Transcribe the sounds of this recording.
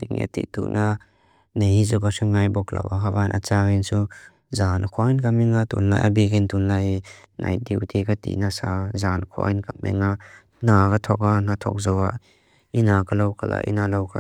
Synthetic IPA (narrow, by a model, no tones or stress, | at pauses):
diŋḛt̪ḭt̪ṵʔna | nejhizɔkasaŋajbɔkla̰waɦabanʔa̰t͡saɡinsu | zanakʰɔajnkamiŋat̪unla̰jʔa̰bikint̪unlajna̰j̚diwt̪ʰikat̪ḭnasazankʰɔ̰ʔa̰jnkamɛ̰ŋa | nakat̪ʰɔkanat̪ʰɔ̰k̚zɔwa | inakalowkʰala̰ʔḭnalawkʰa